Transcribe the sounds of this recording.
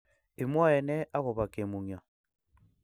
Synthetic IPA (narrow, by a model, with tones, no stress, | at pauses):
e˨mwa˦ɛ˨nɛ˦ʔa˦ɣo˨βa˨ke˨mu˨ŋja˨